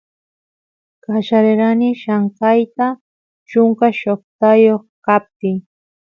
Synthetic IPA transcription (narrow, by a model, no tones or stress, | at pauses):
kat͡ʃaɾeɾanɪʃaɴkajt̪a | t͡ʃʊŋkaʃoχt̪ajoχkap̚t̪ɪŋ